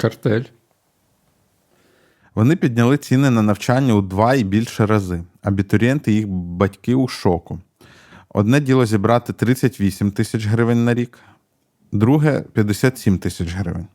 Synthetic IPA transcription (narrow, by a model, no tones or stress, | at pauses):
kɐrt̪ɛlʲ | ʋɔnɪpʲid̪ʲnʲɐlˠɪt͡sʲinɪnɐnɐwt͡ʃɑnʲːɐud̪ʋɑibʲilʲʃɛɾɐzɪɐbʲit̪ɔɾʲiɛnt̪ɪjixbɐtʲkɪuʃɔkʊ | ɔ̰d̪nɛdʲilˠɔzʲibɾɑt̪ɪt̪ɾɪt͡sʲːɐtʲʋʲisʲimt̪ɪsʲɐt͡ʃɦɾɪʋɪnʲnɐɾʲik | d̪ɾuɦɛpʲjɐd̪esʲat̪sʲimt̪ɪsʲɐt͡ʃɦɾɪ̰ʋɪ̰nʲ